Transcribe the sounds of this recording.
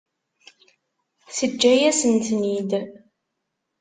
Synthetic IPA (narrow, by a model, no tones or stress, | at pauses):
θəd͡ʒːæjæsənt̪nid̪